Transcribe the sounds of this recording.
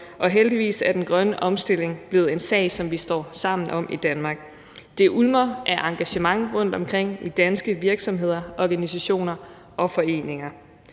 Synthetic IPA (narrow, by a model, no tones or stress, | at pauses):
ʔɒ̽ɦeld̥iʋḭːsæɐd̥enɡ̥ʁɶnəʔɒ̽msd̥e̝l̰e̝ŋb̥le̝ːð̩ˠe̝nsɛ̰ɪsɒ̽mʋisd̥ɒ̰ːsɑ̈m̰n̩ʔɒ̽m̰ʔid̥ænmɑ̈ːɡ̥ | d̥e̝ʔulmɐʔæʔɑ̈ŋɡ̥æɕəmɑ̈ŋʁɔ̽n̰d̥ɒ̽mkʰʁeŋ̰id̥ænsɡ̥əʋiɐɡ̥sɒ̽mɦe̝ð̞̰ˠɐʔɒɡ̥ænisæɕo̝̰ːnɐ | ʔɒ̽fɒ̽e̝̰ːne̝ŋɐ